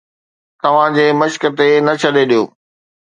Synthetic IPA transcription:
t̪ɐʋ̤ãd͡ʑeːmɐʃkə̆t̪enɐt͡ɕʰɐɗeɗijoː

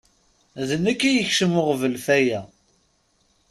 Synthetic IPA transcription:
ðənːækːæjəçʃəmʊʁvəlfæjæ

